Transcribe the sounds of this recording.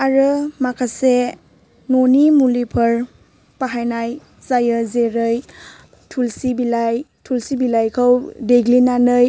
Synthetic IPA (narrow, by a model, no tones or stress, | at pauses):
aɾɯmakʰase | nonimulipʰəɾ | paɦajnaj | zajəzeɾɯj | tʰulsibilajtʰulsibilajkʰəwdeɡlinanɯj